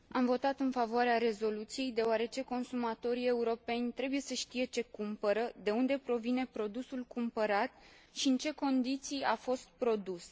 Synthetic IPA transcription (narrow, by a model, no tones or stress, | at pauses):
amvo̞t̪at̪ɨnfavoaɾeaɾe̞zo̞lut̪sije̞jd̪e̞oaɾe̞t͡ʃe̞ko̞nsumat̪o̞ɾie̞uɾo̞pe̞nʲt̪ɾe̞buje̞səʃt̪ije̞t͡ʃe̞kumpəɾəd̪e̞und̪e̞pɾo̞vine̞pɾo̞d̪usulkumpəɾat̪ | ʃiɨnt͡ʃe̞ko̞nd̪it̪sijafo̞st̪̚pɾo̞d̪us